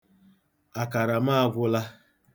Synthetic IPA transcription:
a˨ka˨ɾa˨ma˦a˦˨ɡʷʊ˦la˦

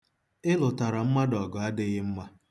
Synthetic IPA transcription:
ɪ˦lʊ˨ta˨ɾa˨m̩˦ma˦dɔ˨ɡɔ˨a˦dɪ˦ɣɪ˦m̩˦ma˦

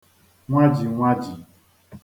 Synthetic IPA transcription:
ŋʷa˦d͡ʒi˨ŋʷa˦d͡ʒi˨

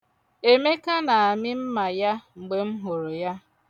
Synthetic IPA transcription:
e˦me˦ka˦na˨a˨mɪ˦m̩˦ma˨ja˦ŋ͡m̩˨ɡ͡be˨m̩˦ɦo˨ɾo˨ja˦

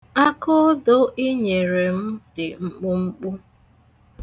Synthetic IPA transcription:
a˦kʊ˦do˦ʔi˦ɲe˨ɾe˨m̩˦dɪ˨ŋ͡m̩˦k͡pʊ˦ŋ͡m̩˦k͡pu˦

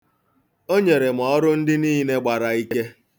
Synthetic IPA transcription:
o˦ɲe˨ɾe˨m̩˨ɔ˨˦ɾʊ˦n̩˦dɪ˦niː˦ne˦ɡ͡ba˨ɾa˨i˦ke˦

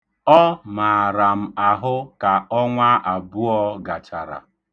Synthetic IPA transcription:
ɔ˦ma˨ɾa˨m̩˨a˨ɦʊ˦ka˨ɔ˦ŋʷa˦a˨bu˦ɔ˦ɡa˨t͡ʃa˨ɾa̰˨

